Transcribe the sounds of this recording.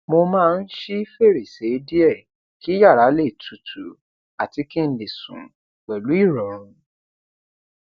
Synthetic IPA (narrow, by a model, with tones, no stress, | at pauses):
mo˧mãː˦˧n̩˦ʃi˦fe˦˨ɾe˨se˨˦di˦ɛ˦˨ | ki˦ja˦˨ɾa˨˦le˦˨tʰu˨tʰu˨ | a˨ti˧ki˦n̩˦le˨sṵ̃˨ | k͡pɛ˨lu˨˦i˦˨ɾɔ˨ɾ̃ũ˧